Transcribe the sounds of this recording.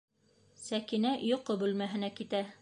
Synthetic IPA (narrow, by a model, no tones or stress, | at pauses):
sækinæjŏqobʉlmæɦɘ̆nækit̪æ